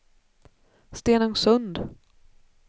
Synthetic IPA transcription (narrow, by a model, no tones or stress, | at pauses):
st̪eːnɵŋsɵnd̪